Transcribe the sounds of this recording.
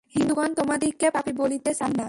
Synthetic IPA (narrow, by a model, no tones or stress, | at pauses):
hind̪uɡant̪omad̪ikːepapibolit̪esanːa